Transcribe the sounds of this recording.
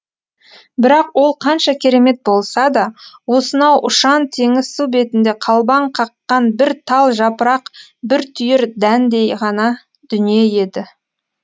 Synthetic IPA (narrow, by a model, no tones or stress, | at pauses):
bɪɾɑqwo̞lˠqʰɑnʃɑkʲʰe̞ɾe̞me̞t̪̚bo̞lˠsɑd̪ɑwo̞sənɑwʔʊʃɑnt̪ʰe̞ŋɪz̥sube̞t̪ɪnd̪e̞qʰɑlˠbɑɴqʰɑqːɑnbɪɾt̪ʰɑlˠʒɑpəɾɑqbɪɾt̪ʰʏjɪɾd̪ænd̪e̞jʁɑnɑ | d̪̥ʏnije̞je̞d̪ɪ